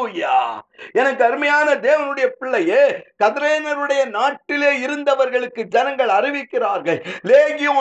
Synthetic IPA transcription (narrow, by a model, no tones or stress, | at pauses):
jaːɛnɐkːɯɐɾɯmɐjaːnɐd̪eːʋɐnɯɽɐjɐpɪɭːɐjeːkɐðɪɾeːnɐɾɯɽɐjɐnaːʈːɪleːɪɾɯnd̪ɐʋɐɾɣɐɭɯkːɯd͡ʒɛnɐŋɡɐɭɐrɪʋɪkːɪraːɾɣɐɭleːɣɪjõː